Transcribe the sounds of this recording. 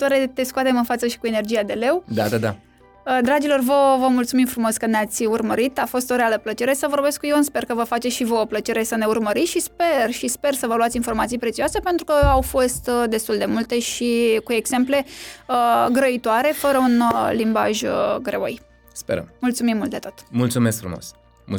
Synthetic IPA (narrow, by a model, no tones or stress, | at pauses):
t̪aɾet̪e̞skuat̪e̞mɨnfat̪səʃi̥kue̞ne̞rd͡ʒiad̪e̞le̞wd̪a̰d̪ad̪a̰ | əd̪ɾad͡ʒilo̞rvəvəmult̪sumimfɾumo̞skɨnnat̪sʲurməɾit̪afo̞st̪o̞ɾealəplət͡ʃe̞ɾe̞səvo̞rbe̞skujonspe̞rkəvəfat͡ʃesʃivooplət͡ʃe̞ɾe̞səne̞urməɾit̪sʃispe̞rʃispe̞rsəvəluat̪sʲinfo̞rmat̪sijpɾet̪siuase̞pe̞nt̪ɾukəawfo̞st̪d̪e̞st̪uld̪e̞mult̪e̞ʃikue̞ɡse̞mple̞əɡɾəit̪oaɾe̞fəɾəunlimba̰ʒɡɾeo̰j | speɾə̰mmult̪sumimːult̪d̪et̪o̥t̪mult̪sumesk̚fɾumo̰s | m